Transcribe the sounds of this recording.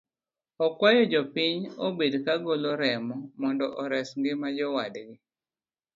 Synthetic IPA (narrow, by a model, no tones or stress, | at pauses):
ɔkwajɔd͡ʒɔpiɲobedkaɡoloɾɛmɔmɔndɔʔɔɾɛsŋɡɪmad͡ʒɔwadɡɪ